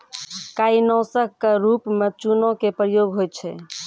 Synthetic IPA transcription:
kainɔwsəkkeɾupmet͡ʃunõkepɾəjoɡɦojt̪̚t͡ʃʰɛ

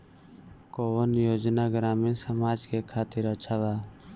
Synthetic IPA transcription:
koːʋənjoːd͡ʒnaːɡɾaːmĩːsəmaːd͡ʒkekʰaːt̪ɪɾət͡ʃʰaʋaː

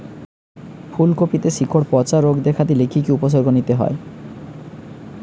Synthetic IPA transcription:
fʰulkopit̪eʃikʰoɽpɔt͡ɕaɾoɡd̪ekʰad̪ilekʰikiupos̬oɾɡonit̪eɦɔ̰e

